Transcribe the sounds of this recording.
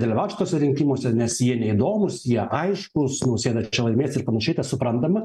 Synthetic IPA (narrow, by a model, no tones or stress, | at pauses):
d̪ʲɐlʲɪʋɑʊtʲʃʲɪt̪oːsʲɛɾʲɪŋʲkʲimoːsʲɛnʲɛsjiɛnʲɛɪd̪oːmʊsjiɛʔɐɪʃkʊsnɐʊsʲeːd̪ɐt͡ʃʲɛlˠɐɪmʲeːsʲɪɾpɐnɐʃʲɛɪt̪ɐsʊpɾɐnd̪ɐmɐ